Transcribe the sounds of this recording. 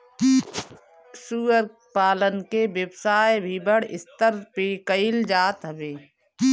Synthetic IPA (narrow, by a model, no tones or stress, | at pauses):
suːəɾ | paːlənkebəbsaːebʱibəɽɪ̰st̪əɾpeːkəɪld͡ʒaːt̪ɦəbeː